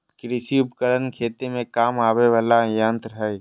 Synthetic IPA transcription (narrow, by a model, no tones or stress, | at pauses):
kɾɪsiʊpkəɽənkʰeːt̪emẽkaːmaːweʋaːlajãːnt̪ɾɐɦəe